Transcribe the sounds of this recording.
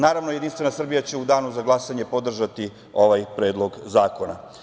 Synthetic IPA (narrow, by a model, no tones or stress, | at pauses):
naːɾaʋno̞jed̪inst̪ʋe̞nasr̩bijat͡ɕeud̪aːnuzaɡlˠasaɲe̞po̞d̪r̩ʒat̪i | o̞ʋajpɾe̞ːd̪lˠo̞ɡzaːko̞na̰